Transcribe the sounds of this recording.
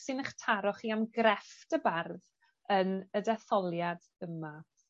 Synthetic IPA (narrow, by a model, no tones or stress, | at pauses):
sɪnəχtʰaɾɔχiamɡrɛftəbarð | ənədɛθɔlˠjad̥ | əma